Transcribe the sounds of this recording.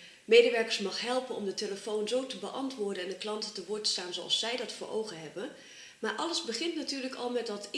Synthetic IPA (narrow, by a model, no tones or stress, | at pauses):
mejdəʋɛɹkəɹsmɑχɦɛlˠpənɔ̰mdəteləfownzowtəbəʔɑntʋʊːɹdənɛndəklɑntətəʋʊːɹtə̥staːnzowɑ̰lˠsːɛjdɑtfʊːʔo̰wɣəɦɛbə | maːɹʔɑləzbəχɪntnatyːɹləkɑ̰lˠmɛtdɑt